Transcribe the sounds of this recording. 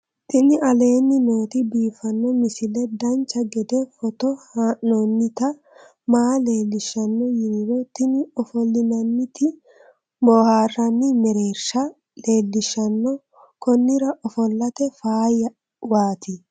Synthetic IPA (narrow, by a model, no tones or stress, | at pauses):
t̪ɪnɪʔɐle̞ːnːɪno̞ːt̪ɪbiːfɐnːɔmɪsɪlɛd̪ɐnt͡ʃːɐɡɛd̪ɛfɔt̪ɔhanonːɪt̪ɐ | maːle̞ːlːɪʃːɐnːɔjɪnɾɔt̪ɪnɪɔfɔlːɪnɐnːɪt̪ɪ | boːhaːrːɐnːɪmɛɾeːɾʃɐ | le̞ːlːɪʃːɐnːɔ | kɔnːɪɾɐʔɔfɔlːɐt̪ɛfaːjɐ | waːt̪ɪ